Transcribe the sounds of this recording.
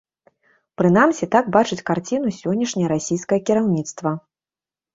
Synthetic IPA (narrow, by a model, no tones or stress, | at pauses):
pɾɨnamsʲɛt̪aɡbat͡ʂɨt͡sʲkart͡sʲinusʲɔnʲːɐʂnʲɐjɐɾasʲijskɐjɐkʲiɾawnʲit̪st̪vɐ